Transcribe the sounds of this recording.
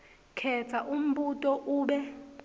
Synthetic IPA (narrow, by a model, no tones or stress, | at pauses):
kʰɛt͡sʰaʔum̩butʼɔʔuːɓɛ